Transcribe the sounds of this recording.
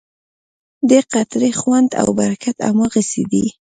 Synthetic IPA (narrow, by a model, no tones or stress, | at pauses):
d̪əqat̪ɾexwand̪a̰wbaɾakat̪a̰maɣəsḛd̪ḭ